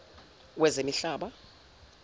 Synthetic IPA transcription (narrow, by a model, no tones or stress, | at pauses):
wɛzemiɬaːɓa